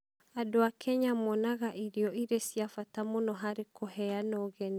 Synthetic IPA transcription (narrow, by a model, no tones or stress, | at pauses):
adoakʰɛɲamɔnaɣaʔiɾiɔiɾesjafatamonɔɦaɾekʰohɛanɔːɣɛni